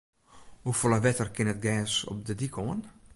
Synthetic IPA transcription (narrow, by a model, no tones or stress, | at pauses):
hufoləʋɛtərkɪnət̚ɡɛːsɔ̰p̚dədikʰoən